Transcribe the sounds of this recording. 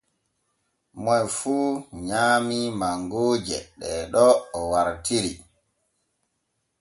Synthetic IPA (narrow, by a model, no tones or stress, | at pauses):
mɔjfuːɲaːmimaŋɡoːd͡ʒɛ̰ɗɛɗɔːwaɾtiɾi